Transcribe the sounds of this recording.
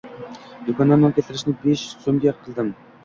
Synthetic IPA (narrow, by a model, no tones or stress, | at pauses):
jokʲɑnɑmnɨŋkʲʰet̪ʰɪɾɪʃnɪbeʃsomɡʲeqʰːəlˠd̪ɪm